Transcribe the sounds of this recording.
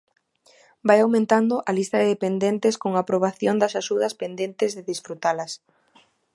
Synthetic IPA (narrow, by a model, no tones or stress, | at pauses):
bajawmẽnt̪and̪ʊʔɐlist̪ɐðeðepend̪ent̪ɪskoŋaːpɾoβ̞aθjond̪ɐsaʃuðɐspend̪ent̪ɪzðɪðisfɾut̪alɐs